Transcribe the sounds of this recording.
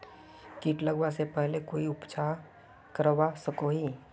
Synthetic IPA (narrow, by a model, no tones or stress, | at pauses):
kiːʈləɡwasepɛɦlekoːiʊpt͡ʃʰa | kəɾwasəkoɦi